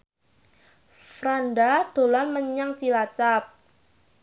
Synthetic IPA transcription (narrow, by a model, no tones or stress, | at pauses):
fɾandad̥o̤lanməɲaŋt͡ʃilat͡ʃap̚